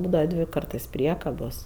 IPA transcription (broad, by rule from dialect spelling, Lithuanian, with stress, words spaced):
ˈbuːdɐʋɐ ˈdʲʋʲɪ ˈkɐrtɜs ˈpʲrʲiɛkɐboːs